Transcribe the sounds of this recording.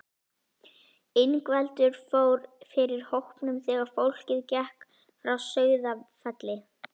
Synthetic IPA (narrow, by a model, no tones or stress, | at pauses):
ɪjnkvɛlt̪ʏɾ̥foːwɾfɪɾɪɾ̥howhpnʏmθɛːɣaɾ̥fowl̥cɪðcɛhk | fɾawsœːɥðafɛt̪lɪ